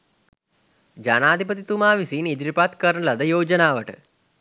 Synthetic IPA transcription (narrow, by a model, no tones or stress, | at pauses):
d͡ʒanaːd̪ʱipɐt̪it̪umaːʋisiːnid̪ɾipat̪kɐɾɳəlɐd̪ɐjoːd͡ʒɐnaːʋəʈə̰